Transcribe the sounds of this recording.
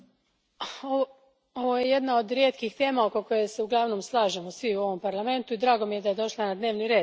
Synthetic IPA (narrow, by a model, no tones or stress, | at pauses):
o | oʋo̞je̞je̞d̪nao̞d̪ɾje̞ːt̪kixt̪e̞ːmaoko̞ko̞jese̞uɡlˠaʋno̞ːmslˠaːʒemo̞sʋiuo̞ʋo̞mpaɾlˠame̞nt̪uid̪ɾaːɡo̞mije̞d̪aje̞d̪o̞ʃlˠanad̪ne̞ːʋniɾe̞ːd̪